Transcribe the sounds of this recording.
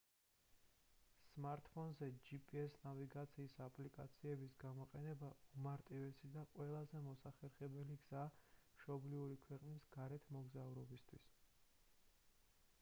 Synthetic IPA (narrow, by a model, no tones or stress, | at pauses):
smaɾt̪ʼpʰɔnzɛd͡ʒipʼiɛsnaviɡat̪sʰiːsapʰʼlikʼa̰t̪sʰiɛbisɡamɔqʼɛnɛbaumaɾt̪ʼivɛsid̪aqʼwɛlˠazɛmɔsaχɛɾχɛbɛliɡz̥aːmʃɔbliuɾikʰwɛqʼnisɡ̥aɾɛt̪ʰmɔɡzauɾɔbist̪ʰwḭs